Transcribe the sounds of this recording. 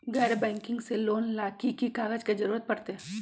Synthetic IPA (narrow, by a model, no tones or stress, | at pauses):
ɡɛːɾebɛ̃ːŋkɪ̃ŋɡseloːnlaːkikikaːɡəd͡ʒked͡ʒɐɾuːɾət̪̚pɐɽt̪eɦɛː